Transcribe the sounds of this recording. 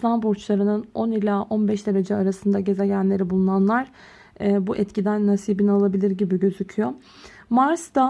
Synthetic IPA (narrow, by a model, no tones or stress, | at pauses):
slˠanbuɾt͡ʃlˠaɾɯnɯno̞nilʲaːʔo̞nbɛʃd̪e̞ɾed͡ʒɛaɾasɯnd̪aɟe̞zɛɟnlʲe̞ɾibulˠunanlˠaɾ̥ | buʔɛt̪cid̪ænːasiːbinalˠabilʲiɾɟibiɟø̞zycʰyjo | maɾsd̪a